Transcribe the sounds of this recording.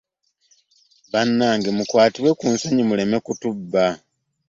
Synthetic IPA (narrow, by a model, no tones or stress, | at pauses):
βanːaːŋɡemukwaːtiwe̞kunsaɲimule̞me̞kutubːa